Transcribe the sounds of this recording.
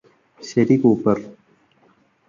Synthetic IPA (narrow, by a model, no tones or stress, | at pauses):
seːɾikoːpəɾ